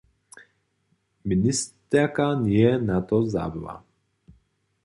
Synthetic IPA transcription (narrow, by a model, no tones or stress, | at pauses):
minist̪ɛɾkaniɛnat̪ɔza̰ːbiva̰